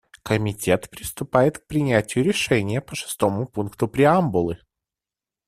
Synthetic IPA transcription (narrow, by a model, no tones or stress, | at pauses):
kəmʲɪtʲe̞t̪pɾʲɪst̪ʊpajɪt̪k̚pɾʲɪnʲætʲɪjʊɾʲɪʂɛnʲɪjəpəʂɨ̥st̪o̞mʊpunkt̪ʊpɾʲɪambʊlˠɨ